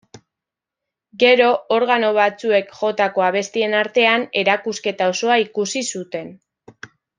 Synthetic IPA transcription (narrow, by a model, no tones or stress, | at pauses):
ɡe̞ɾo̞ːɾɣ̞ano̞βat͡sue̞kʝo̞t̪ako̞aβ̞e̞st̪ie̞naɾt̪e̞ane̞ɾakuske̞t̪ao̞so̞aikusisut̪e̞n